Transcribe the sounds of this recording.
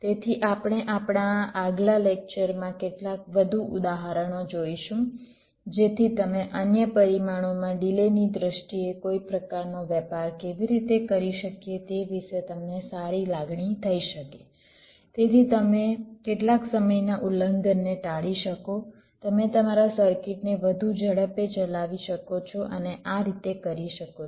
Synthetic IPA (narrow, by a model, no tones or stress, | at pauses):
t̪et̪ʰiʔapɳ̃eʔapɳaːɡlalek̚t͡ʃəɾmãkeʈlakʋəd̪ʱuʔʊd̪aɦaɾəɽ̃od͡ʒoiʃũ | d͡ʒet̪ʰit̪əmeʔənjəpəɾimaɽ̃omãɖilenid̪ɾəʃʈiekoipɾəkaɾnoʋjɛpaɾkeʋiɾit̪ekəɾiʃəkjet̪eʋiʃet̪əmnesaɾilaɡɳit̪ʰəiʃəke | t̪et̪ʰit̪əmekeʈlaksəməjnaʔuləŋɡənːeʈaɭiʃəko | t̪əmet̪əmaɾasəɾkɪʈneʋəd̪ʱud͡ʒəɽəpet͡ʃəlaʋiʃəkot͡ʃʰɔʔəneʔaɾit̪ekəɾiʃəko